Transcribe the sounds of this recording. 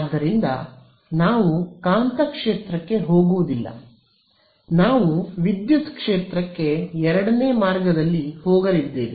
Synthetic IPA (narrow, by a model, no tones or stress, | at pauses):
d̪ːɐɾind̪ɐ̰ | naːʋukaːnt̪ɐkʂeːt̪ɾɐkːe̞ɦo̞ːɡuʋud̪ilːɐ̰ | naːʋuʋid̪jut̪kʂeːt̪ɾɐkːe̞ɛɾɐɽɐne̞ːmaːɾɡɐd̪ɐlːihoːɡɐɾid̪ːeːʋi